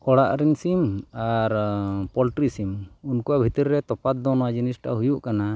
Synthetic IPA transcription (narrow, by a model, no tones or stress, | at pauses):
kɔɽaʔɾinsimaɾpɔlʈɾisimunkuwabʱit̪əɾːɛt̪ɔpat̪̚d̪ɔnɔad͡ʒinisʈa̰ɦujuʔkana